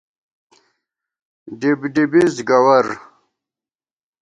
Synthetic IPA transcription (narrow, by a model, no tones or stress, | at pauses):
ɖibɖibizɡɐwɐɾ